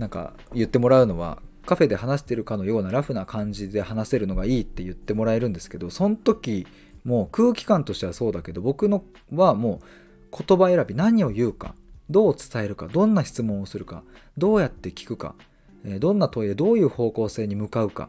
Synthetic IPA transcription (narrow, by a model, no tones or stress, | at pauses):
nãŋka̰ | jɯ̟t̪ːe̞mo̞ɾaɯ̟no̞βa̰kaɸe̞d̪e̞ɦanaɕi̥t̪e̞ɾɯ̟kano̞jo̞ːnaɾaɸɯ̟nakʰãɲ̟d͡ʑid̪e̞hanase̞ɾɯ̟no̞ɡaiːt̪ːe̞jɯ̟t̪ːe̞mo̞ɾae̞ɾɯ̟̃nd̪e̞sɨ̥ke̞d̪o̞sõ̞nt̪o̞kʲi | mo̞ːkɯ̟ːkʲi̥kãnt̪o̞ɕi̥t̪e̞βaso̞ːd̪ake̞d̪o̞bo̞kɯ̟no | βamo̞ː | kʰo̞t̪o̞bae̞ɾabʲinaɲ̟io̞jɯ̟ːka̰d̪o̞ːt͡sɨ̥t̪ae̞ɾɯ̟ka̰d̪õ̞nːaɕi̥t͡sɨmõɰ̃o̞sɨɾɯ̟ka̰d̪o̞ːjat̪ːe̞kʲi̥kɯ̟ka̰ | ed̪õ̞nːat̪o̞id̪e̞d̪o̞ːjɯ̟ːho̞ːko̞ːse̞ːɲ̟imɯ̟kaɯ̟ka̰